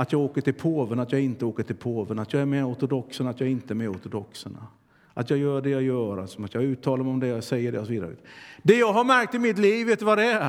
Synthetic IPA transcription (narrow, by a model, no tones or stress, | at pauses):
at̪jɑːɡoːkəʈɪlpʰoːvənat̪jɑːɡɪnt̪əoːkəʈʰɪlpʰoːvənat̪jɑːɡæɾmɛɔɾt̪ʊd̪ɔksənat̪jɑːɡɪnt̪əɛɾmɛɔɾt̪ʊd̪ɔksəɳa̰ | ʔat̪jɑːɡjœːɖɛjajœːɾa̰lsɔmat̪jɑɡʉ̟ːt̪ʰːɑːlaɾmɛɔmd̪ɛjasɛjːəɖɛ̰ɔsɔviːd̪aɾə̰t̪d̪ɛjɑːɡɦaɾmæɾk̚t̪ɪmɪt̪liːvːeːt̪ʉvad̪ɛæ